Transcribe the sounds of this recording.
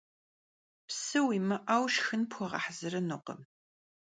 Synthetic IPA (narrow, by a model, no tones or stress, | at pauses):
psɨwiːmɐʔawʃxɨnpxʷɔʁɑ̰ħzɨrɐnɨqə̰m